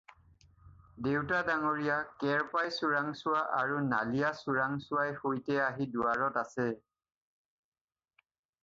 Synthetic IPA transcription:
dewtadaŋoɹijakɛɹpajsuɹaŋsʊaʔaɹuna̰lijasuɹaŋsʊwajxojtɛaɦidʊaɹɔtasɛ

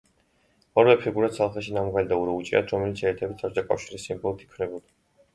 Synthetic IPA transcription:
ɔɾvɛpʰiɡuɾat̪salˠχɛʃ̬inamʁalid̪auɾɔut͡ʃʼia̰t̪ʰɾɔmɛlit̪sʰɛːt̪ʰɛbit̪ʰat͡ʃd̪akʼa̰fʃiɾisːimbɔlˠt̪ʰi̥kʰvnɛbuld̪

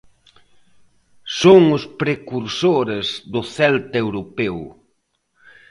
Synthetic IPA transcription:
soŋʊspɾekuɾsoɾɪzðʊθɛlt̪ewɾopew

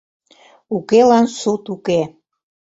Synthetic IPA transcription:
ukelɑnsut̪uke

